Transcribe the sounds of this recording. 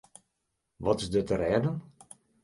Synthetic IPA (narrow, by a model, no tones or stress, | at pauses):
ʋɔtɪzdətəɾɛːdən